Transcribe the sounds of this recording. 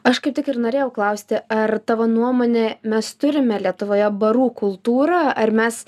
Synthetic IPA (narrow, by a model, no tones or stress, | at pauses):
ɐʃkɐɪp̚t̪ʲɪkɪrnoːɾʲeːjɛʊklˠɐʊsʲt̪ʲɪɐrt̪ɑːʋonuɔmoːnʲemʲɛst̪ʊɾʲɪmʲɛlʲiɛt̪ʊʋoːjɛbɐɾuːkʊlˠt̪uːɾɑːɐrmʲɛs